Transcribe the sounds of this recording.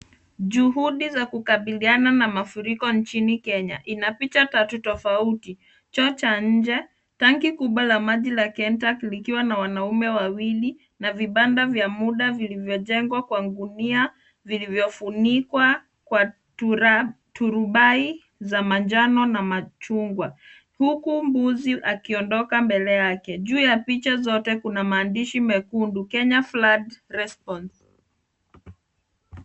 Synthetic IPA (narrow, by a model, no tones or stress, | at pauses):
ʄuɦuɗizakukaɓiliananamafuɾikɔnt͡ʃinikɛɲa̰ʔinapitatatutɔfauti | t͡ʃɔt͡ʃaɲ̩d͡ʒɛ | taŋkikuɓwalamaʄilakɛntaklikiwanawanaumɛwawili | naviɓandavjamuɗavilivjɔʄɛŋɡwakwaŋɡunia | vilivjɔfunikwa | kwa | t | tuɾuɓai | zamand͡ʒanɔnamat͡ʃuŋɡwa | hukumbuziʔakiɔndɔkambɛlɛjakɛʄuːjapit͡ʃazɔtɛkunamaːndiʃimɛkundukɛɲafladɾɛspɔns